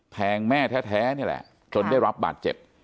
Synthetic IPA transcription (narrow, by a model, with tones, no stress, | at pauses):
pʰɛː˧ŋmɛː˥˩t̪ʰɛː˦˥t̪ʰɛː˦˥ni˥˩ɐlɛ̰˨˩ʔ | t͡ɕo˧nda˥˩jɾa˦˥p̚ba̰ː˨˩t̪̚t͡ɕe˨˩p̚